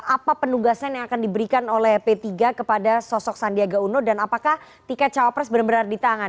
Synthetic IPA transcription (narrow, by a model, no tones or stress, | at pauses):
apapənuɡasanjaŋakandibəɾikanolɛhpet̪iɡakəpadasɔsɔksandiaɡaunodanapakah | t̪ikat͡ʃawapɾɛsbəɾambəɾardit̪aŋan